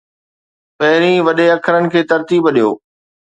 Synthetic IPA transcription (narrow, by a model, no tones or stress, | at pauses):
pɐɦɪɾĩʋɐɗeɐkʰəɾənɪ̆kʰeːt̪ɐɾt̪iːbɐɗijo̰ː